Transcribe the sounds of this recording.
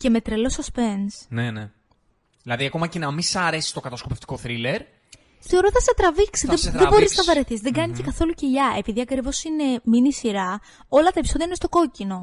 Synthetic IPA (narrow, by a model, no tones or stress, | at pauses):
ce̞me̞t̪ɾelo̞sɐspe̞nsnene | ðilɐðiɐko̞mɐcenɐmisɐɾe̞si̥st̪o̞kɐt̪ɐskope̞ft̪i̥ko̞θɾile̞ɾ | θe̞o̞ɾo̞θɐset̪ɾɐviksiðeðebo̞ɾiznɐvɐɾeθisðeɡɐnicekɐθo̞luceʝɐʔe̞piðiɐkɾivo̞sine̞minisiɾɐ | o̞lɐt̪ɐepiso̞ðijɐinest̪o̞ko̞cino̞